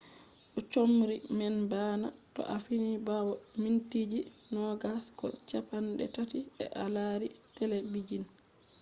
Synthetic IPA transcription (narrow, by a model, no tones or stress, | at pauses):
ʔɔt͡ʃomɾimɛnbaːna̰tɔ̰ʔafinibawɔmintid͡ʒinɔɡaskɔ̰t͡ʃapanɗɛ̰tatiɛ̰ʔalaːɾitɛlɛbid͡ʒin